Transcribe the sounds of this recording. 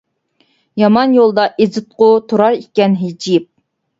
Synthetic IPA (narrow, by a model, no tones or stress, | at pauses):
jɑmɑnjolˠd̪ɑʔezɨt̪̚qʊt̪ʰuɾɑɾikʲːɛnɦed͡ʒip̚